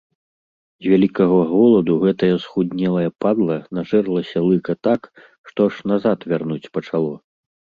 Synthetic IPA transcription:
zʲvʲalʲikɐɣɐɣɔlˠɐd̪uɣɛt̪ɐjɐsxud̪ʲnʲɛlˠɐjɐpad̪lˠɐnaʐɛrlˠɐsʲɐlˠɨkɐt̪ak | ʂt̪ɔaʂnazat̪vʲarnut͡sʲpɐt͡ʂalˠɔ

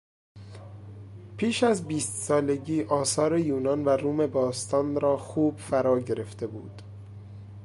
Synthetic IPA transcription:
pʰiːʃæzbiːst̪sɒːle̞ɟiːʔɒːsɒːɾe̞juːnɒnvæɾuːme̞bɒːst̪ʰɒːnɾɒːxuːb̥fæɾɒːɟe̞ɾe̞ft̪e̞buːd̪̥

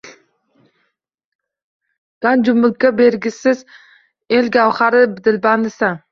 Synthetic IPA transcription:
ɡ̪̥and͡ʒʊmʊlkʲabeɾɡʲɪsɪz | elɡʲawχaɾɪbd̪ɪlband̪ɪsan

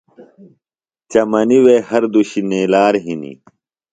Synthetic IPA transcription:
t͡ɕɐmɐniwehɐɾd̪uɕineːlaːɾɦinḭ

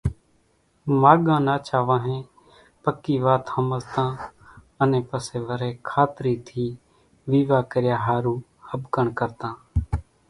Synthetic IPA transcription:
maːɠãːnaːt͡ʃaːʋãːɦẽː | pəkːiːʋaːt̪həməlt̪ãː | ənẽːpəseːʋəɾẽːkʰaːt̪ɾiːt̪ʰiː | ʋiːʋaːkəɾɪjaːɦaːɾuː | həbkəɳkəɾt̪ãː

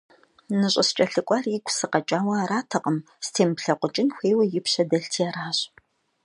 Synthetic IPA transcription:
nɨɕʼɐst͡ʃʼɐɬɨkʷʼɑːrikʷʰʼsɨqɐt͡ʃʼaːwɐaːɾaːtʰɐqʼəm | stʰeːmpɬɐqʷʊt͡ʃʼɪnxʷeːwɐjɪpɕɐdɐɬtʰiaɾaːɕʼ

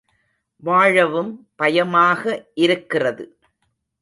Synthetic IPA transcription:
ʋaːɻɐʋɯmpɐjɐmaːɣɐʔɪɾɯkːɪrɐðɯ

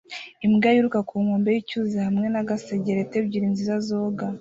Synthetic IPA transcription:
imɡajuɾukakʰuŋoːmbejicuːzihamŋe̞naɡaseɟeɾete̞bɟiɾinzizazoːɡa

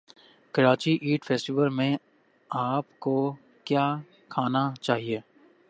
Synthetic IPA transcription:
kɐɾaːt͡ʃiʔiːʈfʰeːsʈiʋəlmẽ | aːpko | kjaː | kʰaːnat͡ʃaːɦieː

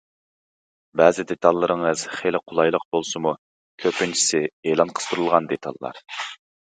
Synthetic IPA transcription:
bɛːzɪd̪et̪ʰɑlˠːəɾɨŋəz̥χelɪqʰʊlˠɑjlˠəq̚bolˠsɨmu | kʲʰøpɪnt͡ʃʰi̥sɪelˠɑnqʰə̥t̪ʰuɾulˠʁɑnd̪et̪ʰɑ̰lˠːɑ̰ɾ

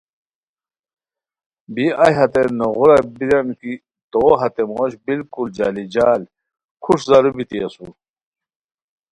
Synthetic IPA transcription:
biɐjɦɐt̪enoɣuɾɐbiɾɐmki | t̪oːɦɐt̪emoːɕbilkuld͡ʑaːlid͡ʑaːl | kʰuʂzɐɾubit̪iɐsṵ

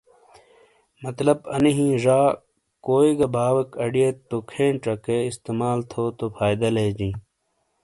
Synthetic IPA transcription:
mɐt̪lɐbɐ̰niɦĩːʐaː | koːiɡɐbʱaːwɐkɐɖijet̪ːokʰẽːɳʈɐkeist̪emaːlt̪ʰoːt̪ofʰaːjd̪ɐleːd͡ʑĩː

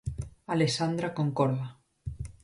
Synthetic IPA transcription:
alesand̪ɾakoŋkoɾða

